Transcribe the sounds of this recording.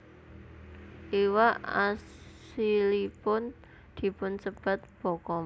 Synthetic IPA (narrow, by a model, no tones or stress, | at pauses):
ʔiwaʔasilipʊn | d̪̥i̤pʊnsəb̥a̤t̪̚b̥ɔ̤kɔ